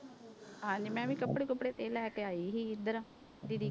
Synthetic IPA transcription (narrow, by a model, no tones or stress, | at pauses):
ɦãːɲd͡ʒiːmɛ̃ːʋĩːkəpːɽeːkəpːɽeːt̪eːlɛːkeːaːiːɦiːɪd̪əɾã | d̪iːd̪iː